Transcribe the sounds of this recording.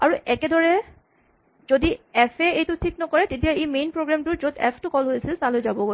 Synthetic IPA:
aɹuʔɛkɛdɔɹɛ | zodiɛpʰɛejtʊtʰiknɔkɔɹɛtet̬ijaejmenpɹoɡɹamtʊɹzodɛ̰pʰtʊkɔlɦojsilsalojzabɔɡo

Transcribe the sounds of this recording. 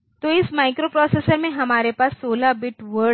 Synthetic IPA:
t̪oɪsmaːɪkɾopɾɔːseːsəɾmẽɦɐmaːɾepaːsːoːlabɪʈʋəɾ

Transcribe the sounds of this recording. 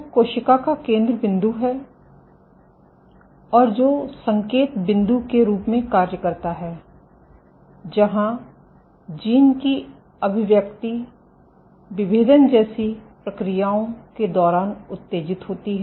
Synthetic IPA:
koːʃɪkakakẽːnd̪ɾəbɪ̃nd̪uɦɛː | ɔːɾd͡ʒoːsə̃ŋkeːt̪bɪ̃nd̪ukeɾuːpmẽkaːɾjəkəɾt̪aɦɛː | d͡ʒɐɦã | d͡ʒiːnki | əbʱɪʋjək̚t̪i | ʋɪbeːd̪ənd͡ʒɛːsipɾəkɾijaːõked̪ɔːɾaːnʊt̪ːeːd͡ʒɪt̪ɦoːt̪iɦɛ

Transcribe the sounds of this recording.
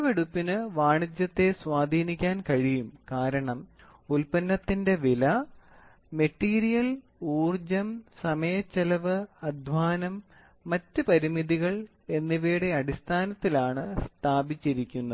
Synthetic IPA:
ʋeɽupːinɨʋaːɳid͡ʑjɐt̪ːe̞swaːd̪ʱiːnikʲːaːnkɐɻijumkaːɾɐɳɐm | ulpɐnːɐt̪ːinde̞ʋilɐ | me̞ʈːiːɾijɐl | uːrd͡ʑɐmsɐmɐjɐt͡ɕːɐlɐʋɨɐd̪ʱʋaːnɐmː | ɐtːɨpɐɾimiðiɣɐɭ | e̞nːiʋeːɽe̞ɐɽist̪ʰaːnɐt̪ːilaːɳɨst̪ʰaːbit͡ɕːiɾikʲːunːɐð

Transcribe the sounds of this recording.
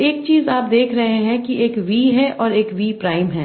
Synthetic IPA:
eːk̚t͡ʃiːzaːp̚d̪eːkʰɾɐɦeɦɛ̃kieːkʋiːɦɛʔɔːɾeːkʋiːpɾaːɪmɦɛ̃ː

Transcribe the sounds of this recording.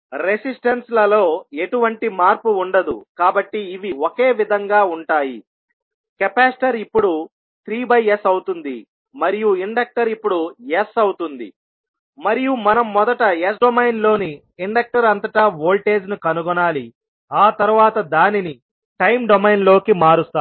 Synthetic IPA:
ɾe̞sisʈɐnslɐlo̞ːe̞ʈuʋɐɳʈimaːɾpuːɳɖɐd̪ṵkaːbɐʈːiːʋioke̞ːʋid̪ʱɐŋɡaːuɳʈaːjḭ | kɛpaːsʈɐɾipːuɽu | t̪ɾiːbɐjesɐwut̪und̪ḭ | mɐɾijuiɳɖɐk̚ʈɐɾipːuɽuesɐwt̪und̪ḭ | mɐɾijumɐnɐmːɔd̪ɐʈɐesɖomɐjnlo̞ːniː | ɳɖɐk̚ʈɐɾɐnt̪ɐʈaːboːlʈe̞ːd͡ʒnukɐnuɡɔnaːli | aːt̪ɐɾuʋaːt̪ɐd̪aːnini | ʈɐjmɖomɐjnlo̞ːkimaːɾust̪aː

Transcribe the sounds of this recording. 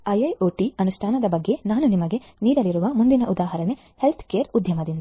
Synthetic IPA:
ɐjɐjoːʈiɐnuʂʈʰaːnɐd̪ɐbɐɡːe̞naːnunimɐɡe̞ | niːɾɐlːiɾuʋɐmund̪inɐʔud̪aːɦɐɾɐne̞ | helt̪ʰkeːɐɾud̪ʱjɐmɐd̪ind̪

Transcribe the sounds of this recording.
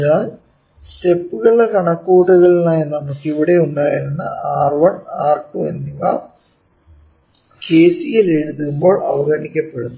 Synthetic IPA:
aːl | ste̞pːuɣɐɭekɐɳɐkːuːʈːuɣɐɭinaːjɐnnɐmukːiʋiɽe̞uɳɖaːjiɾunːɐ̰ʔaːrʋɐɳaːrkumenːiʋa̰ː | ke̞ːsijile̞ɻuðuumbo̞ːɭɐʋɐɡɐɳikʲːɐpːe̞ɽunːu

